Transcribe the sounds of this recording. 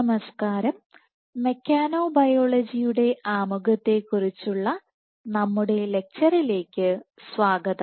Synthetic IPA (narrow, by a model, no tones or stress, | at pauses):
mɐskaːɾɐmː | e̞kʲːaːno̞ːbɐjo̞ːɭɐd͡ʑijuɽe̞ʔaːmuɣɐt̪ːe̞kːurit͡ɕːuɭːɐ | nɐmːuɽe̞le̞k̚t͡ɕɐrile̞ːkʲːɨsʋaːɡɐðɐ